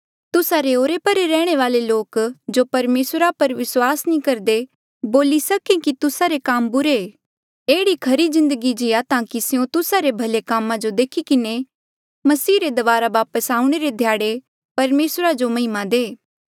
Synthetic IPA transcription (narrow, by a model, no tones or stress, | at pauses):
t̪ʊsaɾeoːɾepɐɾeɾɛːɽ̃eʋaːleloːkd͡ʒopɐɾmeːsɾapɐɾʋɪswaːsnĩkɐɾd̪e | boːlisɐkẽkit̪ʊsaɾekaːmbʊɾe | eːɽikʰɐɾizɪ̃nd̪əɡid͡ʒɪjat̪ãːkisɪjõt̪ʊsaɾebʱɐlekaːmãd͡ʒod̪eːkʰikɪne | mɐsiːɾed̪ɐʋaːɾaʋaːpəsaːʊ̃ɽ̃eɾed̪ʱjaːɽe | pɐɾmeːsɾad͡ʒomɐɦɪmãd̪eː